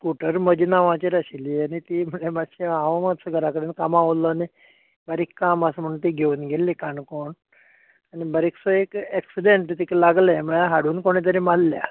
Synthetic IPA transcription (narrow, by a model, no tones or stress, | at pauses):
kuʈəɾməd͡ʑinaʋãt͡ɕeɾaɕilianit̪im̤əɳemaɕiãʋməsəɡʱəɾakəɽenkamãʋolːɔni | bəɾikːaməsəm̤əɽɳunt̪iɡʱeuːnɡʱelːikaɳkoɳ | anibəɾiksɔekɛksiɖeɳʈt̪iklaɡleməɭaɦaɽuːnkoɽ̃it̪̬əɾimalːja̰